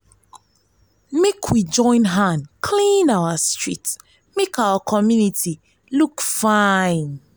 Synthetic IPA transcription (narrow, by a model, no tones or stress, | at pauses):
mekʰwid͡ʒɔ̃ɪ̃nɦãnkʰlĩnawəstɹ̥ḭt | mekawakʰɔmjuniti | lukfaɪ̃n